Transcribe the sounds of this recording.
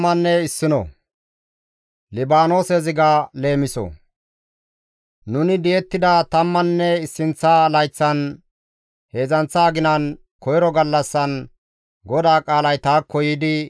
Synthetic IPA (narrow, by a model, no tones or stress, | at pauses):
mːɐnːɛɪsːɪnɔ̰ | lɪbaːno̞ːsezɪɡaːle̞ːmɪsɔ̰ | nʊnɪd̪jɛt̪ːɪd̪ɐt̪ɐmːɐnːɛɪsːɪnt͡sːaːlɐjt͡sːɐn | he̞ːzɐnt͡sːaːɡɪnɐn | kɔjɾɔɡɐlːɐsːɐn | ɡɔd̪aːkʼaːlɐjt̪aːkːɔjɪd̪ɪ